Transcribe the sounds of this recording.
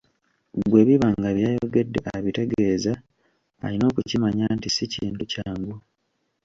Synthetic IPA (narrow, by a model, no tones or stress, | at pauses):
ɡwe̞ːβiβaŋɡaβjaːjo̞ɡe̞dːe̞̰ʔaβite̞ɡe̞ːza | a̰lino̞ːkucimaɲaːntisiciːntucaːŋɡu